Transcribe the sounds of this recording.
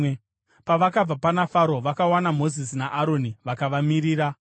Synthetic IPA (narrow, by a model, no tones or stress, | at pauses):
paʋakab͡vapanafaɾo̞ʋakawanamo̞zisinaʔaɾo̞niʋakaʋamiɾiːɾa